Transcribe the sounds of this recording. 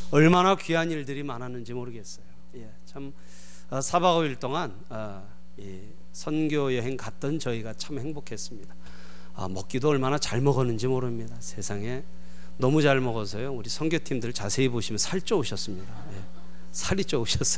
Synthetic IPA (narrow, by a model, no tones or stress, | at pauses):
ʌɭmanakɥianiɭdɯɾimanɦanɯnd͡ʑimoɾɯɡe̞s͈ʌjo | je̞t͡ɕʰam | ʌsʰabaɡʌbiɭt͈oŋan | ʌ | i | sʰʌnɡjojʌɦe̞ŋkat̚t͈ʌnt͡ɕʌiɡat͡ɕʰamhe̞ŋbokʰe̞s͈ɯmɲida | a̰mʌk͈idoʌɭmanat͡ɕaɭmʌɡʌnɯnd͡ʑimoɾɯmɲidasʰe̞sʰaŋe̞ | nʌmud͡ʑaɭmʌɡʌs̬ʰʌjouɾisʰʌnɡjotʰimdɯɭt͡ɕasʰe̞iboɕʰimjʌnsʰaɭt͡ɕ͈ooɕʰʌs͈ɯmɲidaje̞ | sʰaɾit͡ɕ͈ooɕʰʌs͈ʌ̥